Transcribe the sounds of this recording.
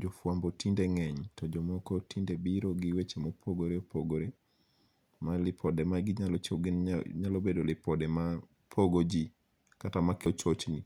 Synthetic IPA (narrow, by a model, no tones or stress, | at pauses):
d͡ʒɔfwambɔtindeŋɛɲtɔd͡ʒɔmɔkɔtindebiɾɔɡɪwet͡ʃemopʰoɡoɾeopoɡoɾe | malɪpʰɔdɛmaɡɪɲalɔt͡ʃoɡɪnɲalobedolɪpɔdɛma | pʰoɡod͡ʒi | katamakɔt͡ʃot͡ʃni